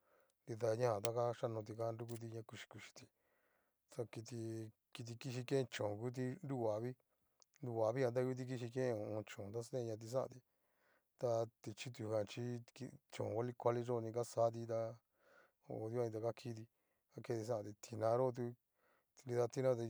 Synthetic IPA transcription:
nd̪i˧ða˧ɲã˦ã˨t̪̬a˦˧ka˦ʃa˦nõ˧t̪̬i˧ka˦˧nɾu˦k̬u˦t̪̬i˧ɲã˧ku˧ʃi̥˧ku˧ʃi̥˧t̪i˧ | t̪a˧ki˧t̪i˧ | ki˧t̪̬i˧ki˧ʃ̬i˧kẽ˦ẽ˧t͡ʃõ˨ku˦t̪̬i˧nɾu˦wa˨βi˦ | nd̪u˧a˨βi˦kã˧t̪̬a˦ju˧˦t̪̬i˧k̬i˧ʃi˧kẽ˦ẽ˧õ˧˨õ˧t͡ʃõ˨t̪̬a˦sẽ˦˧ɲã˧t̪̬i˧s̬ã˦ʔã̰˧t̪i˧ | t̪a˧t̪i˧t͡ʃi˦t̪̬u˧˨ã˨t͡ʃi˦kt͡ʃõ̰˨wa˦li˦kʷa˧li˦ʐo˦˧nĩ˧k̬a˦saː˦t̪̬i˧t̪a˧ | o̰˧˨˧d̪ja˦˧ĩ˧t̪̬a˧ka˦kʰi˦t̪̬i˧ | ka˦ke˦˧t̪i˧s̬ã˦ʔã˧t̪i˧t̪ʰi˧nã˧ɾo˦˧t̪̬u˧ | i˧i˧ða˧t̪i˦nã˦˧t̪a˧

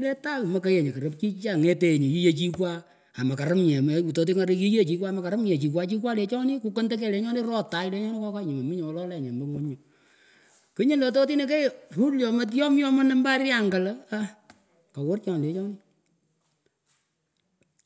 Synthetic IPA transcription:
lɛ˦ta˦˨mɐ˨ke˦je˨ɲe˨kɐ˨ɾə˦p̚t͡ʃi˦t͡ʃa˦˨ŋe˦te˨ɲe˨ji˦je˦˨t͡ʃi˦kwa˦ | a˨ma˨ka˨ɾa˦mɲɛ˨mu˨to˨˦t̬i˦ŋa˨ɾi˦ki˦je˦t͡ʃi˨˦kwa˦˨mɐ˨ka˨ɾɐ˦mɲɛ˨t͡ʃi˨k̬wa˦t͡ʃi˦k̬wa˦le˨˦t͡ʃɔ˦nɪ˦ku˦ko˦ntɛ˦k̬ɛ˦˨le˨˦ɲɔ˦nɪ˦ɾɔ˦ta˨i˦le˦ɲɔ˦nɪ˦kɔ˦ka˦ɲi˨ma˨mi˦ɲɔ˨ɔ˦lɔ˦lɛ˨ɲɛ˨mbo˦ŋo˦ɲo˨ | kɨ˦ɲi˦nlo˨to˦ti˦ne˨kɛ˦ru˦ljɔ˨ma˦t̬jɔ˦mjɔ˦mɔ˦nɛ˦mba˦rja˦˨ŋɡa˨la˦a˦ | ka˨wʊ˦rt͡ʃɔ˨n˨le˨˦t͡ʃɔ˦ni˦

